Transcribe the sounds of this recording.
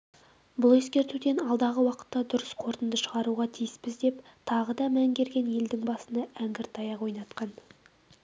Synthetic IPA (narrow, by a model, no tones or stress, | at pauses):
bʊlˠe̞skʲe̞ɾt̪ud̪e̞nɑlˠd̪ɑʁəwɑqə̥t̪ːɑd̪ʊɾəsqʰo̞ɾt̪ənd̪əʃəʁɑɾuʁɑt̪ʰijɪspɪzd̪e̞pt̪ʰɑʁəd̪ɑmæŋɡʲe̞ɾɡʲe̞nje̞ld̪ɪŋbɑsənɑæŋɡʲɪɾt̪ʰɑjɑʁwo̞jnɑt̪qɑn